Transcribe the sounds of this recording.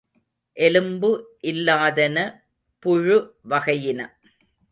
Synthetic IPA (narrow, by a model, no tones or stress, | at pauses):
ʔɛlɯmbɯʔɪlːaːðɐnɐ | pʊɻɯʋɐɣɐjɪnɐ